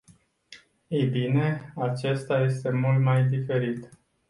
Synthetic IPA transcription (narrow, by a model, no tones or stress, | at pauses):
ejbine̞at͡ʃe̞st̪aje̞st̪e̞mult̪majd̪ife̞ɾit̪